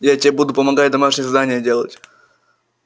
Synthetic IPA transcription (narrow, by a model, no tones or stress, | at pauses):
jatʲɪebud̪ʊpəmɐɡatʲd̪ɐmaʂnʲɪjzd̪anʲɪjədʲelˠə̰tʲ